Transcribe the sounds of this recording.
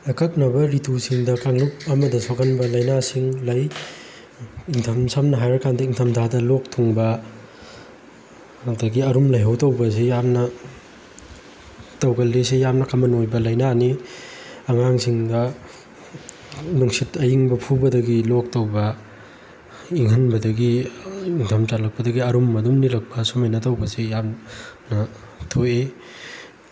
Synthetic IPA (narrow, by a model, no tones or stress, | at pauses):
ɐkʰɐk̚nɐbɐɾitʰusiŋdɐkaŋlup̚ɐmɐdɐsokɐnbɐlɐjnasiŋlɐj | iŋtʰɐmsamnɐɦajɾɐkandɐiŋtʰɐmtʰadɐlok̚tʰuŋbɐ | dɐɡiɐɾumlɐjɦɐwtɐwbɐs̬ejamnɐ | tɐwɡɐlːesijamnɐkʰɐmɐnojbɐlɐjnani | ɐŋaŋsiŋdɐ | nuŋsitɐjiŋbɐpʰubɐdɐɡilok̚tɐwbɐ | iŋɦɐnbɐdɐɡiiŋtʰɐmtalɐk̚pɐdɐɡiɐɾumːɐdumnilɐk̚pʰɐsumɐjnɐtɐwbɐsejamnɐ | tʰoje